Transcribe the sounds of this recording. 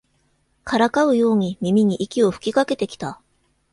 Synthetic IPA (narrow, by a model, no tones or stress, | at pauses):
kʰaɾakaɯ̟jo̞ːɲ̟imʲimʲiɲ̟iʔikʲio̞ɸɯ̟̥kʲikake̞t̪e̞kʲi̥t̪a